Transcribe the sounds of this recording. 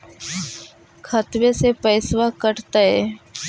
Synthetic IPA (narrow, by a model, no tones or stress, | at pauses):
kʰət̪ʋesepəɪsʋakəʈt̪əe